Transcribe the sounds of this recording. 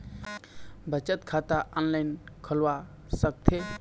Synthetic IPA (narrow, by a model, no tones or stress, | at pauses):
bət͡ʃət̪kʰat̪aɔnlajnkʰəlwa | sək̚t̪ʰe